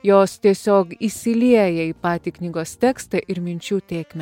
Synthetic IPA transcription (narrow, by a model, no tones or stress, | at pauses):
joːst̪ʲiɛsʲoːkisʲɪlʲiɛjɛiːpɑːt̪ʲiːknʲiːɡoːst̪ʲɛːkst̪ɐʔɪɾmʲɪnʲt͡ʃʲuːt̪ʲeːkʲmʲɛ